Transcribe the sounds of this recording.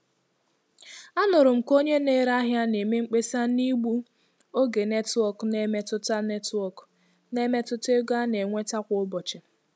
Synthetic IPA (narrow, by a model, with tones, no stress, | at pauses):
a˦nʊ˨ɾʊ˨m̩˨ko˦ɲe˦ne˦ɾa˦ɦja˦ne˨me˦ŋ͡m̩˦k͡pe˦sa˦ni˦ɡ͡bu˦ | o˦ɡe˨ne˦tɔ˦kne˦me˦tʊ˦ta˦ne˦tɔ˦˨k | ne˦me˦tʊ˦te˦ɡa˦ne˨ŋʷe˦ta˦kʷʊ˨ʊ˦bɔ˨t͡ʃɪ˨